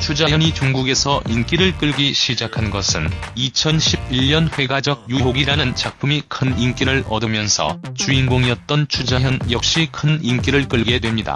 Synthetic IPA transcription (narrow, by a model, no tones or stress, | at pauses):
t͡ɕʰud͡ʑajʌɲit͡ɕuŋɡuɡe̞sʰʌʔink͈iɾɯɭk͈ɯɭɡiɕʰid͡ʑakʰanɡʌsʰɯnit͡ɕʰʌnɕʰib̚iʎɲʌnɸwe̞ɡad͡ʑʌɡ̚juɦoɡiɾanɯnt͡ɕak̚p͈ʰumikʰɯnink͈iɾɯɭʌdɯmjʌnsʰʌ̰t͡ɕuinɡoŋijʌt̚t͈ʌnt͡ɕʰud͡ʑajʌnjʌk̚ɕ͈ikʰɯnink͈iɾɯɭk͈ɯɭɡe̞dwe̞mɲida̰